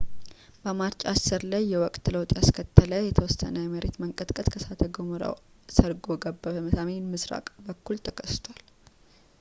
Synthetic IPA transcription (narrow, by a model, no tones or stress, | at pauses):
bəmaɾt͡ʃʼasɨɾlajːɛwɔkʼt̪ɨləwt̪ʼjaskʰət̪ʰːələjɛt̪ʰəwɔsə̰nəjɛməɾet̪məŋkʼət̪ʼkʼət̪kʰəsat̪ʰəɡomuɾa̰w | səɾɡoɡəbːəbəmɨsamenmɨsɾa̰kʼbəkːult̪ʰəkʰəst̪ʰwal